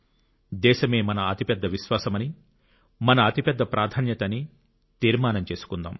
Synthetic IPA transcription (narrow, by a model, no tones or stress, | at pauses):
d̪ɛːʃɐme̞ːmɐnɐɐt̪ipɛd̪ːɐʋiʃʋaːsɐmɐni | mɐnɐːt̪ipɛd̪ʱːɐpɾʔaːd̪ʰʱaːnjɐt̪ɐni | t̪iːɾmaːnɐmt͡ʃe̞ːsu̥kund̪a̰ːm